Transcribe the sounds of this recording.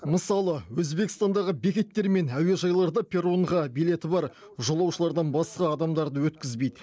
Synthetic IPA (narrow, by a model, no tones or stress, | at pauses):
məsɑlˠəwɵzbe̞kʲɪst̪ɑnd̪ɑʁəbe̞kʲe̞t̪ːe̞ɾme̞næwe̞ʒɑjlˠɑɾd̪ɑpʰʲe̞ɾoɴʁɑbile̞t̪ɪbɑɾ | ʒolˠɑwʃəlˠɑɾd̪ɑnbɑsqɑːd̪ɑmd̪ɑɾd̪əwɵt̪kʲɪzbe̞jd̪ɪ